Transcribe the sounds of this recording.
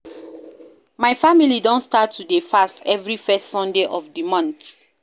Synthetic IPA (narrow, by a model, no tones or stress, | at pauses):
maɪfamilidɔ̃nstatʰːudefastɛvɹifɛstsɔ̃ndeʔɔvdimɔ̃nt